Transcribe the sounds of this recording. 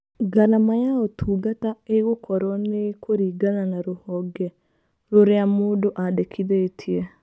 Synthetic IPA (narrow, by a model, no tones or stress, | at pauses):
ɡanamajaotʰuːɡataeɣokɔɾɔnekoɾiːɡananaɾohɔɡɛ | ɾoɾeamoːdoʔadekʰiðeːtʰie